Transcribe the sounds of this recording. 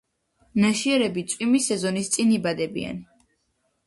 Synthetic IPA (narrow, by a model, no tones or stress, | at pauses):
naʃiɛɾɛbit̪sʼwimisɛzɔnist̪sʼinibad̪ɛbḭa̰n